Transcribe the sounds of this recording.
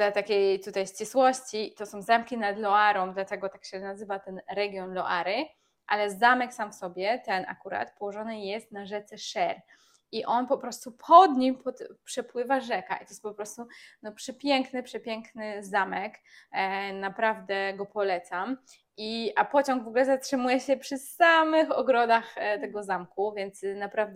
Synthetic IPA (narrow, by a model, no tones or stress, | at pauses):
t̪ɛt̪akʲejt̪ut̪ajɕt͡ɕiswɔɕt͡ɕit̪ɔsɔ̃w̃zɛmkʲinad̪lɔaɾɔmd̪lat̪ɛɡɔt̪akɕɛnazɘvat̪ɛnɾɛɡʲjɔnlɔʔaɾɘ | ʔalɛzamɛksamfsɔbʲjɛt̪ɛna̰kuɾa̰t̪pɔwɔʐɔnɘjɛst̪naʐɛt̪sɛʂɛɾ | iʔɔnpɔpɾɔst̪upʰɔd̪ɲimpɔt̪pʂɛpwɘvaʐɛka̰ʔit̪ɔjɛst̪pɔpɾɔst̪unɔpʂɛpʲjɛŋknɘpʂɛpʲjɛŋknɘzamɛk | napɾavd̪ɛɡɔpɔlɛt̪sam | ʔiʔapɔt͡ɕɔ̃ŋɡvɔɡulɛzatʂɘmujɛɕɛpʂɘsamɘxɔ̰ɡɾɔd̪axt̪ɛɡɔzamkuvʲjɛnt̪snapɾavd̪